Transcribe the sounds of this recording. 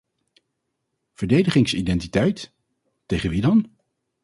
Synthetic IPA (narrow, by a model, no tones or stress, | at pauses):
v̥əɹdejdəχɪŋsidɛntitɛjt | tejχənʋidɑn